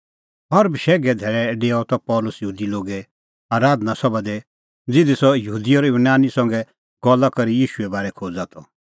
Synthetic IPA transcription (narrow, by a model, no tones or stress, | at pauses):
ɦɐɾbʃɛːɡɛd̪ʱɛːɾɛɖeːɔt̪ɔpɔːlʊsjəɦuːd̪iloːɡɛ | aːɾaːd̪nasɔbad̪e | d͡zɪd̪isɔjɐɦuːd̪iɔːɾɪbnaːnisɐ̃ŋɡɛ | ɡ̥ɔlːakɐɾijiːʃuɛbaːɾɛkʰoːd͡zaːt̪ʰɔ